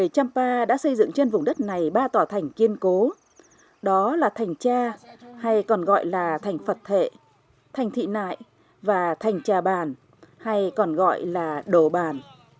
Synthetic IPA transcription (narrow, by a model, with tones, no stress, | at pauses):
ə˨˩jt͡ɕa˧mpaː˧ɗa̰ː˧˥sə˧jzɨ̰˧˨ŋt͡ɕe˧nvʊ˨˩ŋ͡mɗə˦˥t̚na˨˩jɓaː˧t̪waː˨˧˩t̪ʰa˨˩jŋ̟ki˧ənko˨˦ | ɗɔ˨˦laː˨˩t̪ʰa˨˩jŋ̟t͡ɕaː˧ha˧jkɔ˨˩nɣɔ̰˧˨jlaː˨˩t̪ʰa˨˩jŋ̟fə˨˩t̚t̪ʰḛ˧˨ | t̪ʰa˨˩jŋ̟t̪ʰḭ˧˨na̰ː˧˨j | vaː˨˩t̪ʰa˨˩jŋ̟t͡ɕaː˨˩ɓaː˨˩n | ha˧jkɔ˨˩nɣɔ̰˧˨jlaː˨˩ɗo˧˩ɓaː˨˩n